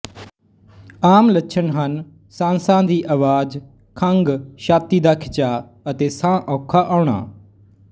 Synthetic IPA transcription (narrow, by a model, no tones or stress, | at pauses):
aːmlətːʃʰənɦən | sãːnsãːd̪iːʔaːʋaːd͡ʒ | kʰəŋɡʃaːt̪iːd̪aːkʰɪt͡ʃaː | ət̪eːsãːʔɔːkʰaːʔaːɳa̰ː